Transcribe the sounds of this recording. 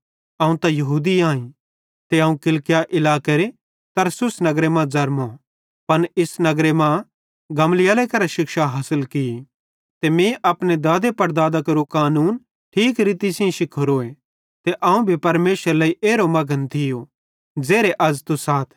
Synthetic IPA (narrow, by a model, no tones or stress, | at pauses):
ɐːũt̪ãjɐɦuːd̪iãːĩ | t̪eɐːũkɪlkɪjaʔɪlaːkeɾe | t̪ɐɾsʊsnɐɡɾemãd͡zɐɾmo | pɐnɪsnɐɡɾemã | ɡɐmlɪjaːlekɐɾaʃɪkʃaɦɐsəlkɪi | t̪emĩʔɐpned̪aːd̪epɐɾd̪aːd̪akɐɾukaːnuːn | ʈʰiːkɾit̪isɪ̃ĩʃɪkʰːoɾoːẽ | t̪eʔɐũbʱipɐɾmeːsəɾlaːiʔeːɾomɐɡʱənt̪ʰɪjo | d͡zeːɾeʔɐd͡zt̪usaːt̪ʰ